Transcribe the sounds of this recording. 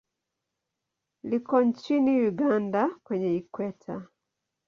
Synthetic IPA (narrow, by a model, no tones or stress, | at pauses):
likɔɲt͡ʃinijuɡandakwɛɲɛikwɛtʰa